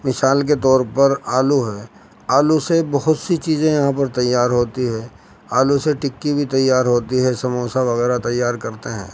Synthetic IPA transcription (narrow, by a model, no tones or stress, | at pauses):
mɪsaːlk̬et̪ɔːɾpɐɾaːluɦɛː | aːlusebɐɦʊt̪sit͡ʃiːzẽjɐɦãpɐɾt̪ɐjːaːɾɦoːt̪iɦɛ̃ː | aːluseʈɪkːibʱit̪ɐjːaːɾɦoːt̪iɦɛsɐmoːsaʋɐɣɛːɾat̪ɐjːaːɾkɐɾt̪eɦɛ̰̃ː